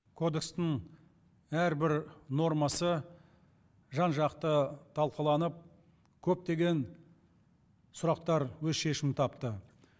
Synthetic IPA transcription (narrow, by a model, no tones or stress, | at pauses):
kʰo̞d̪e̞kst̪ɪŋ | æɾbɪɾno̞rmɑsə | ʒɑnʒɑqt̪ət̪ʰɑlˠqəlˠɑnəp̚ | kʲʰɵp̚t̪e̞ɡʲe̞n | sʊɾɑqt̪ɑɾwɵzʃe̞ʃɪmt̪ʰɑpt̪ə